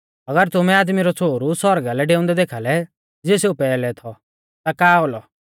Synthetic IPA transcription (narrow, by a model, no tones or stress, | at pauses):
ɐɡəɾt̪ʊmɛ̃aːd̪miɾɔt͡sʰoːɾusɔɾɡalɛɖeːʊ̃nd̪ɛd̪eːkʰaːlɛ | d͡zeːseupɛːlɛt̪ʰɔ | t̪akaːolɔ